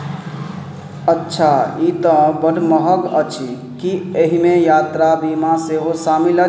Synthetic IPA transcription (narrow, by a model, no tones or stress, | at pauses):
ətːʃʰait̪əbəɖməɦəkət͡ʃʰi | kieɦimejat̪ɾabimãseɦosamilə